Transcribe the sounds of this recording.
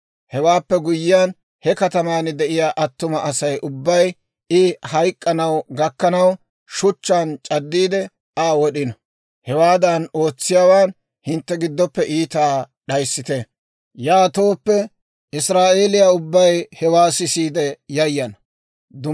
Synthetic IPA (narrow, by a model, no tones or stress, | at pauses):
hɛwaːpːɛɡʊjɪjan | hɛkɐt̪ɐmaːnɪd̪ɛʔɪjaːʔɐt̪ːʊmɐʔɐsɐjʔʊbːɐj | ɪhɐjkʼːɐnɐwɡɐkːɐnɐw | ʃʊt͡ʃːant͡ʃʼɐd̪ːiːd̪ɛ | aːwɔɗɪnɐ | hɛwaːd̪ɐno̞ːt͡sːɪjaːwaːn | hɪnt̪ːɛɡɪd̪ːɔpːɛʔiːt̪aː | ɗɐjsːɪt̪ɛ | jaːt̪o̞ːpːɛ | ʔɪsɾaːʔe̞ːlɪjaʊbːɐjhɛwaːsɪsiːd̪ɛjɐjːɐn | d̪ʊ